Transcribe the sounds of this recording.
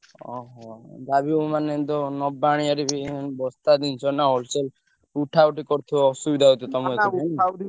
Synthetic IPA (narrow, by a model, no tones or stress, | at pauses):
ɔ̰ɦɔ̃d̪abiomanet̪ɔnɔbːaɽ̃iaɾibibɔst̪ad̪int͡ʃʰɔnaɔlsel | uʈʰawʈikɔɾt̪ʰɔɔsubid̪ʱaɦot̪ʰɔt̪ɔmeani